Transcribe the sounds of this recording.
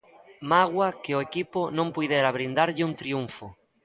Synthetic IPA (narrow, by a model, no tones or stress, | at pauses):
maɣwɐkeʊekipʊnõmpujðeɾaβɾind̪aɾʎɪunt̪ɾiuɱfʊ